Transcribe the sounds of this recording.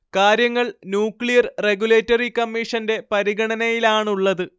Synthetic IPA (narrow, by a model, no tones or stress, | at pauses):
kaːɾjɐŋːɐɭnjuːkɭijɐrreɡuleːtːɐrikɐmːiʂɐnde̞pɐɾiɡɐɳɐnɐjilaːɳuɭːɐðɨ